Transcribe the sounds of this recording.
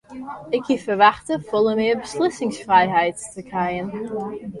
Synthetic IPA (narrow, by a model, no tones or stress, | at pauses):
ɪkifəɹvaχtəfɔlˠəmɪːbəslɪsɪŋsfrajɦɛjttʰəkʰajən